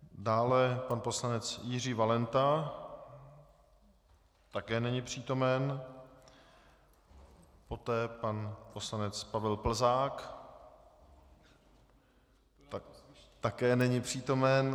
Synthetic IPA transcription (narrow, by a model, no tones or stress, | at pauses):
daːlɛpanpo̞slanɛt͡sjɪr̝iːvalɛnt̪a | t̪akɛːnɛɲɪpr̝̥iːt̪o̞mɛn | po̞t̪ɛːpanpo̞slanɛt͡spavɛlpl̩zaːk | t̪akɛːnɛɲɪpr̝̥iːt̪o̞mɛn